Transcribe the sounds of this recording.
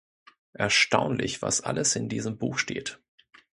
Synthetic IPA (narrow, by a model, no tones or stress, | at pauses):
ʔɛɐʃtaʊnlɪçv̥a̰sʔaləsɪndiːzəmbuːxʃteːt